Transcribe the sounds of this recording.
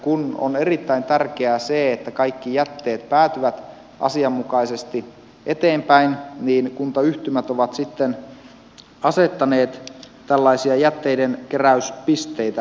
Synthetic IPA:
kuno̰ne̞rit̪ːæint̪ærk̟eæseːet̪ːækɑikːijæt̪ːeːt̪pæːt̪yʋæt̪ | ʔɑ̰siɑmːukɑisest̪i | ʔet̪eːmpæinniːnkunt̪ɑyht̪ymæt̪oʋɑt̪sit̪ːen | ɑset̪ːɑneːt̪ | t̪ælːɑisiɑjæt̪ːeidenkeræyspist̪eit̪æ

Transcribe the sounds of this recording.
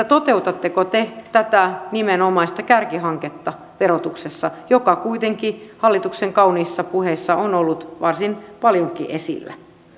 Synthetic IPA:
et̪ot̪eut̪ɑt̪ːekot̪et̪æt̪ænimenomɑist̪ɑkærkiɦɑŋket̪ːɑ | ʋeɾot̪uksesːɑjokɑkuit̪eŋkihɑlːit̪ukseŋkɑuniːsːɑpuheisːɑʔonolːut̪ʋɑrsinpɑljoŋkḭʔesḭlːæ̰

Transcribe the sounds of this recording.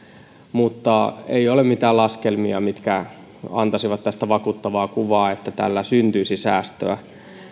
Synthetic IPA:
mut̪ːɑḛijolemmit̪æːlɑskelmiɑmit̪kæ | ɑ̰nt̪ɑsiʋɑt̪t̪æst̪æʋɑkuːt̪ːɑʋɑːkuʋɑːet̪ːæt̪ælːæsynt̪yisisæːst̪ø̰æ̰

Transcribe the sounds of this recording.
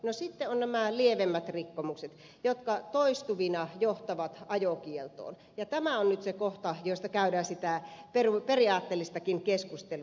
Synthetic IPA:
nosit̪ːeonnæmælieʋemːæt̪rikːomukset̪ | jot̪kɑt̪oist̪uʋinɑjoht̪ɑʋɑt̪ɑjokielt̪o̰ːn | jɑt̪æmæonnyt̪sekoht̪ɑjoˑist̪ɑkæydæːsit̪æperuperiɑːt̪ːeːlːist̪ɑkinkeskust̪elu

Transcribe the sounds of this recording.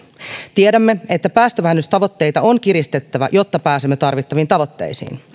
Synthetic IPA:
t̪iedæmːee̞t̪ːæpæːst̪øʋæɦːnːyst̪ɑʋo̞t̪ːe̞jt̪ɑoŋk̟irist̪et̪ːæʋæ̰jo̞t̪ːɑpæːsemːet̪ɑrʋit̪ːɑʋint̪ɑʋo̞t̪ːe̞̰jsḭːn

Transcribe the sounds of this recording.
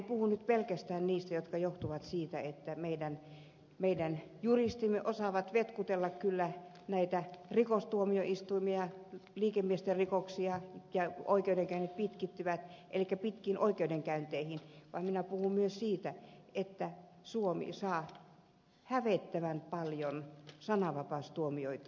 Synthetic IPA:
puhunnyt̪pelkæst̪æːnniːst̪æjot̪kɑjoht̪uʋɑt̪siːt̪æet̪ːæmeidæn | meidæn | jurist̪imːeʔosɑʋɑt̪ʋet̪kut̪elːɑkkylːæ | næit̪ærikost̪uomioist̪uimiɑliːkemmiest̪erikoksiɑjɑoikeudeŋkæynːet̪̚pit̪kit̪ːyʋæt̪ʔḛlikːæpit̪kiːnʔoikeudeŋkæynt̪eihinʋɑ̰imminæpuhummyøssiːt̪æet̪ːæ | suomḭsɑː | hæʋet̪ːæʋænpɑljonsɑnɑʋɑpɑˑst̪uomioit̪ɑ

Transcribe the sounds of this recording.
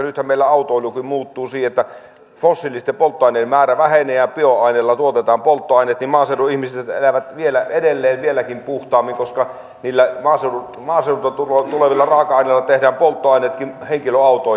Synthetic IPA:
nyt̪hæmmeˑilːæɑˑut̪oˑolukimmuːt̪ːuːsiːhet̪ːæ | fosːilːˑist̪empolt̪ːoɑˑineːmmæːræʋæheneːæpioɑˑineːlːɑt̪uot̪et̪ɑːmpolt̪ːoɑˑineːt̪nimɑːseduihmiset̪ḛlæʋæt̪ʋielæedelːeːʋʋielækimpuht̪ɑːmːiŋkoskɑ | niːlːæmɑːseu | mɑːseˑnut̪ɑt̪ulot̪uleʋilːɑrɑːˑkɑɑˑinelːɑt̪ehdæːmpolt̪ːoɑˑinet̪kimheŋkiløɑˑut̪oˑ

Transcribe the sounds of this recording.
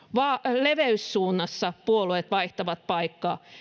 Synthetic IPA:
ʋɑleʋeyssuːnːɑsːɑpuoluet̪ʋɑiht̪ɑʋɑt̪̚pɑikːɑː

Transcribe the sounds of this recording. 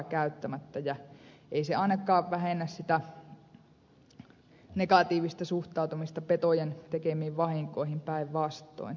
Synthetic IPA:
kæyt̪ːæmæt̪ːæjæʔeiseɑˑinːɑkːˑɑːʋʋæhenːæssit̪æ | nekɑt̪iːʋist̪æsuht̪ˑɑˑut̪umist̪ɑpet̪ojent̪ekemiːʋʋɑhiŋkoihimpæiʋʋɑst̪ːˑo̰in

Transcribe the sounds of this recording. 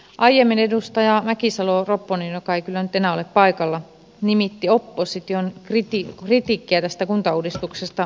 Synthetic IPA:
ʔɑijemːinedust̪ɑjɑmækisɑloropːoninjokɑeikylːænyt̪enæoleppɑikɑlːɑ | nimit̪ːiopːosit̪onkrit̪ikrit̪iˑkːiæt̪æst̪ækunt̪ɑuːdist̪uksest̪ɑ

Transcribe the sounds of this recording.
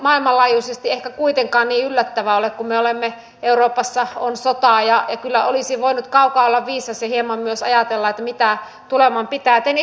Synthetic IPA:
mɑilmɑlɑːjusest̪iehkækuit̪eŋkɑːnniːylːæt̪ːæʋæolekkummeolemːe | euroːpɑsːɑo̰nsot̪ɑˑjɑjɑkylːæolisiʋoinut̪kɑukɑolːɑʋʋiːsɑsjɑhiemɑmmyøsɑ̰jɑt̪elːɑet̪ːæmit̪æ | t̪ulemɑmpit̪æːt̪eny

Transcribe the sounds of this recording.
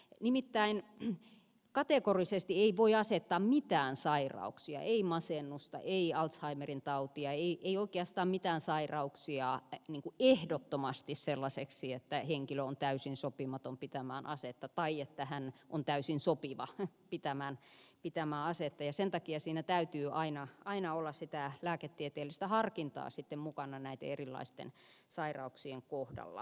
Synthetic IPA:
nimit̪ːæin | kɑt̪ekorisest̪ieiʋoiɑset̪ːɑːmmit̪æːnsɑirɑ̰uksiɑ̰ʔeimɑsenːust̪ɑ̰ʔeiɑlt̪shɑimerint̪ɑut̪iɑeiʔeioikeɑst̪ɑːmmit̪æːnsɑirɑuksiɑniːŋkuehdot̪ːomɑst̪isselːɑseksiet̪ːæheŋkiløont̪æysinsopimɑt̪ompit̪æmæːnʔɑset̪ːɑt̪ɑiet̪ːæhænʔont̪æysinsopiʋɑ | pit̪æmæːnpit̪æmæːɑset̪ːɑjɑsent̪ɑkiɑsiːnæt̪æyt̪yːʔɑinɑɑinɑolːɑssit̪ælæːket̪ːiet̪eːlːˑist̪æhɑrkint̪ɑ̰ːsit̪ːemmukɑnɑnæit̪ḛerilːɑ̰ist̪ḛn | sɑirɑ̰uksieŋkohdɑ̰lːɑ̰

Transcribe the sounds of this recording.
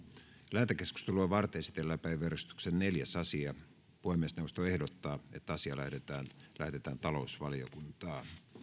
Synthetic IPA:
læːt̪ekeskust̪eluɑʋɑrt̪eesi̥t̪elːæpæiʋerest̪y̥ksenneljæsɑsiɑ | pohemːeːˑsnewːˑost̪oehdot̪ːɑːḛt̪ːæɑsiɑlæhdet̪æːnlæhdet̪æ̰ːnt̪ɑlousʋɑlijo̰kunt̪ɑː

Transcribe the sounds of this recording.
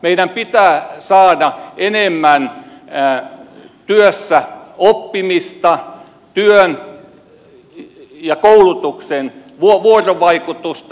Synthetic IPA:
meidæmpit̪æːsɑːdɑenemːæn | t̪yøsːæopːimist̪ɑ | t̪yøn | jɑkoulut̪uksen | ʋuoʋuoroʋɑikut̪ust̪

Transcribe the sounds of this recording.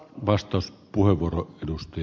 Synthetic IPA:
ʋɑst̪ˑɑˑospuheʋʋuoroʔʔedust̪ɑj

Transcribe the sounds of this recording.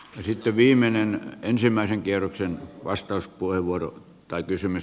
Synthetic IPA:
jɑsit̪ːeʋiːmenenensimˑæˑiseŋkierːoksenʋɑst̪ɑˑuspuheʋʋuoro̰ | t̪ɑˑikysymys

